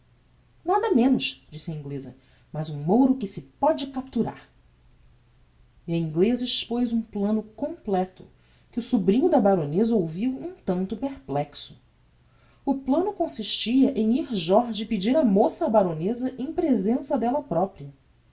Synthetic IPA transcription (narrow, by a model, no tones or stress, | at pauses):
nad̪ɐmẽnʊʃd͡ʒisɪɐĩŋɡlezɐ | mɐzũmowɾʊkɪsɪpɔd͡ʒɪkap̚t̪uɾa̰ɾ | iɐĩŋɡlezɐiʃpojzũplɐ̃nʊkõmplɛt̪ʊ | kɪʊsubɾĩɲʊd̪ɐbaɾõnezɐowviwũt̪ɐ̃nt̪ʊpeɾplɛksʊ̥ | ʊplɐ̃nʊkõsiʃt͡ʃiɐʔẽj̃iɾʒɔɾʒɪpɪd͡ʒiɾɐmosɐbaɾõnezɐʔẽj̃pɾezẽsɐd̪ɛlɐpɾɔpɾiɐ